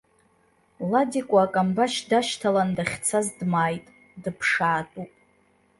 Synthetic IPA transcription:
ladikʷʼaːkʼambaʃdaʃtʰalandaχʲt͡sʰazdmaːjtʼ | dɨpʰʂaːtʼupʼ

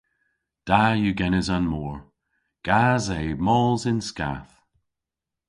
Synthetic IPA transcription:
d̥ajəɡɛnəzanmɔɹ | ɡ̥azeːmɔlˠzɪnska̰θ

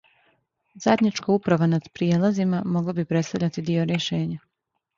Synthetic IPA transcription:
zad̪ɲat͡ʃkaupɾaʋanad̪̥pɾijeːlazimamo̞ɡlabipɾet̪st̪avʎʲat̪id̪ioɾjeʃe̞ːɲa

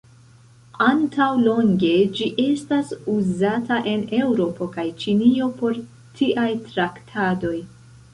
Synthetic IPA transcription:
antʰawlo̞ŋɡe̞d͡ʒiʔe̞stasuzataʔe̞ne̞wɾo̞po̞kajt͡ʃinio̞po̞ɾ | tʰiʔajtɾaktʰado̞j

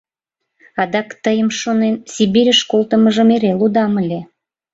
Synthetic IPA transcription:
ɑd̪ɑkt̪əjəmʃonensʲibiɾʲəʃkolt̪əməʒə̆meɾelud̪ɑməlʲe

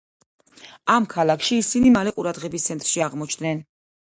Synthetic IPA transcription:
amkʰalˠakʰʃiːsinimalɛqʼuɾad̪ʁɛbist̪sʰɛnt̪ʼɾʃiaʁmɔt͡ʃʰd̪nɛn

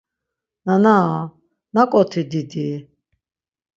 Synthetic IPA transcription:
nana | nakʼɔt̪ʰid̪id̪i

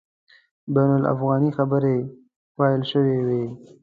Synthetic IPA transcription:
bajnʊla̰fɣɑnixabəɾe | fɑjɪlʃəwewe

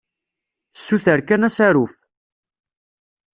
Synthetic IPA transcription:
θə̥sːuθəɾkænæsæɾuf

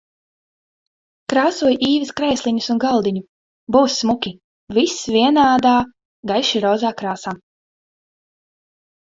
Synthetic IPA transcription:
kɾaːsuɔjʔiːvɐskɾɛjslʲˠiɲusunɡalˠd̪iɲu | buːsːmukʲi | visvʲiɛnaːd̪aː | ɡajʃiɾɔːzaːkɾaːsaː

